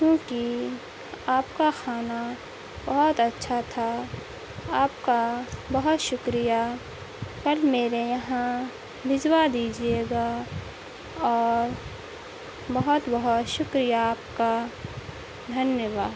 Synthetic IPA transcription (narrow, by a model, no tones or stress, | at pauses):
kjõːki | aːpkaxaːna | bɐɦɔt̪ɐtːʃʰat̪ʰa | aːp̚kabɐɦɔt̪ʃʊkɾija | kɐlmeːɾejɐɦã | bʱɪzwad̪iːd͡ʒieɡa | ɔːɾ | bɐɦɔt̪bɐɦɔt̪ʃʊkɾijaːp̚ka | d̪ʱɐnjəʋaːd̪